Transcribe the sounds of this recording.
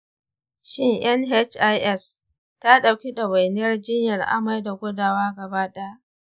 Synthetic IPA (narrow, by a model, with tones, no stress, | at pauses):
ʃɪ˦ŋʔɐ˦nɦɛ˦t͡ʃʔa˦jʔɛ˦s | ta˦ɗa˨wkʲi˦ɗɐ˨wa˨jnɪ˦jɐ˦rd͡ʒɪ˦ɲjɐ˨rʔa̰˦ma˦jda˨ɡʷʊ˦daː˨waː˦ɡɐ˨baː˦ɗɛ˦a˦ʔ